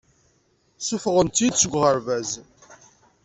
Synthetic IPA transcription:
sufəʁənt̪jid̪t͡sːəɡʷʁəɾvæz

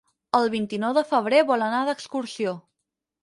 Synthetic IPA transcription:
əlˠβint̪inɔwðəfəβ̞ɾeβɔlənaðəkskuɾsio

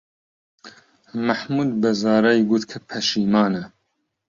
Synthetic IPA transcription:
mɐħmuːd̪bɐzɑːɾajɡuːt̪kʰɐpʰɐʃiːmɑːnɛ

